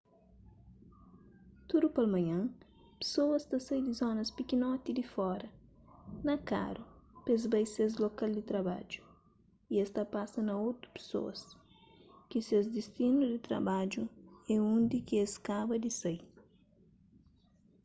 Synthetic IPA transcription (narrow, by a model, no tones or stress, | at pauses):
t̪uɾupɐlmɐ̃ɲɐ̃ | pe̥sowɐst̪ɐsɐjd̪izɔnɐspikinɔt̪id̪ifɔɾɐ | nɐka̰ɾupezbɐjsez̬lokald̪it̪ɾɐba̰d͡ʒu̥ | iest̪ɐpasɐnɐot̪ɾu̥pe̥so̰ɐ̰s | kisezd̪ist̪inud̪it̪ɾɐ̰bad͡ʒuɛũnd̪ikieskabɐd̪isɐj